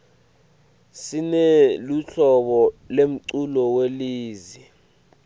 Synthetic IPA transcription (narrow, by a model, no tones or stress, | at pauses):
sinɛluɬɔɓɔlem̩ǀulɔweliːzi